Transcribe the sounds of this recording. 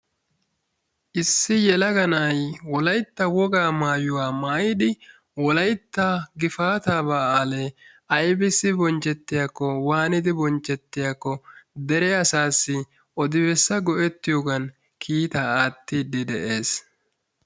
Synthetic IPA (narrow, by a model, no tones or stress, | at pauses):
ʔɪsːɪjɛlɐɡɐnɐjwɔlɐjt̪ːɐwɔɡaːmaːjʊwaːmaːjɪd̪ɪ | wɔlɐjt̪ːɐɡɪfaːt̪aːbaːaːleːʔɐjbɪsːɪbɔnt͡ʃːɛt̪ːɪjakːɔwaːnɪd̪ɪbɔnt͡ʃːɛt̪ːɪjakːɔd̪ɛɾɛɐsaːsːɪ | ʔɔd̪ɪbɛsːɐɡɔʔɛt̪ːɪjoːɡɐn | kʰiːt̪aaːt̪ːiːd̪ɪd̪ɛʔeːs